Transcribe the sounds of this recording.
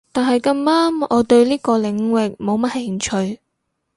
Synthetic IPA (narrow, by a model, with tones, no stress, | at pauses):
t̪aː˨nɦɐ˨jkɐ˧maː˥mɔː˨˧t̪ɵ˧ɥliː˥kɔː˧lɪ˨˧ŋwɪ˨k̚mo˨˧wmɐ˥t̚he˧˩ŋt͡ʃʰɵ˧ɥ